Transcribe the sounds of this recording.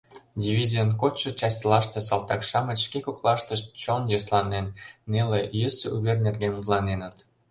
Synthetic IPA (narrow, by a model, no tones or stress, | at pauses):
dʲivʲizʲijənkot͡ɕːot͡ɕɑsʲlɑʃt̪es̬ɑlˠt̪ɑkʃɑməʃkekoklˠɑʃt̪əʃt̪t͡ɕonjoslɑnenːelejøsuβernerɣenut̪lˠɑnenət̪